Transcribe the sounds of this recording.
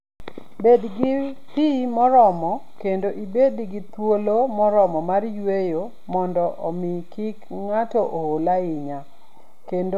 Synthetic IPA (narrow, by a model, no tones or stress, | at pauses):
bedɡɪ | pimɔɾɔmɔkendoʔibedɡɪt̪wolomɔɾɔmɔmarjwejo | mɔndɔʔɔmɪkik | ŋatoʔoolaɪɲa | kend